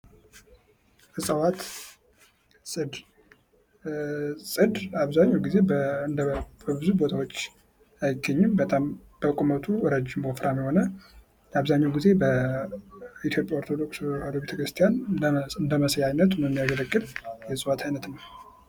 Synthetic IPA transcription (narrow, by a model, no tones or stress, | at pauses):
ɨsʼəwat̪ | sʼɨd̪ | sʼɨd̪aβzaɲːawɡize̞bnd̪bəbɨzubo̞t̪ʰawot͡ʃː | ajɪɡːəɲːɨmbət̪ʼamb̥əkʼumət̪ʰuɾəd͡ʒːɪmbofɾamjɛho̞nə | jaβzaɲːawɡize̞bə | it̪ʰjo̞pʼjaoɾt̪ʰod̪o̞kʼshod̪obet̪əkʰɾɨst̪ʰijanɨnd̪əməsjajnət̪məmːijaɡəɾəɡʼːɨljɛsʼəwat̪ʰajnət̪nəw